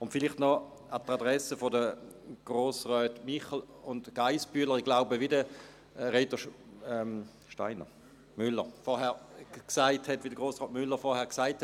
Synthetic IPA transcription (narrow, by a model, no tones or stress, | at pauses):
ʊntfɪliχtnɔ | atadʁɛsəfodəɡ̥ʁoːsʁœːtmiχəl̩ | ʊndɡ̥aɪspyːɐləɐʁiɡlaʊbəʋidə | ʁeːtəʃ | ɛm | ʃtaɪnə̰ | mʏlːəʁfɔɐɦɛɐksaɪthɛtʋidəɡʁoːsʁɔːtmʏlːəʁfɔɐhɛɐksaɪthɛt